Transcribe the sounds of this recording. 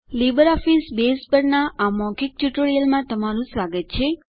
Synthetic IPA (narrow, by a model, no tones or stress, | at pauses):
libəɾɔfisbespəɾnaʔamɔ̃kik̚ʈuʈoɽijəlmãt̪əmaɾũsʋaɡət̪̚t͡ʃʰe